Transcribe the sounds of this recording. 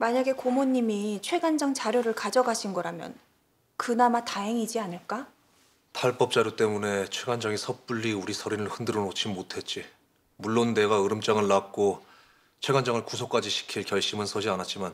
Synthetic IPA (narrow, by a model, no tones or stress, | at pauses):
maɲaɡe̞komoɲːimit͡ɕʰwe̞ɡand͡ʑaŋt͡ɕaɾjoɾɯɭkad͡ʑʌɡaɕʰinɡʌɾamjʌ̰n | kɯnamataɦe̞ŋid͡ʑianɯɭk͈a | tʰaɭp͈ʌp̚t͡ɕ͈aɾjot͈e̞mune̞t͡ɕʰwe̞ɡand͡ʑaŋisʰʌp͈uʎːiuɾisʰʌɾinɯɭhɯndɯɾonot͡ɕʰimːotʰe̞t̚t͡ɕ͈i | muɭːonːe̞ɡaɯɾɯmt͡ɕ͈aŋɯɭːak̚k͈o | t͡ɕʰwe̞ɡand͡ʑaŋɯɭkusʰok͈ad͡ʑiɕʰi̥kʰiɭkjʌɭɕ͈imɯnsʰʌɕʰianat̚t͡ɕ͈iman